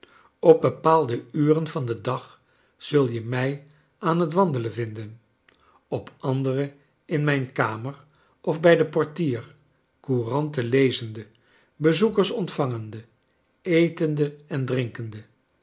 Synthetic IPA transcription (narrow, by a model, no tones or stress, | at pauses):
ɔb̚bəpaːlˠdəyːrənvɑndədɑχ | z̥ɵlˠjəmɛj | aːnɦətʋɑndələvɪndən | ɔpʰʔɑndərə | ɪnmɛjnkaːmər | ɔvbɛjdəpɔɹtiːr | kurɑntəlejzəndə | bəzukəɹsɔntfɑŋəndə | ejtəndəɛndrɪŋkəndə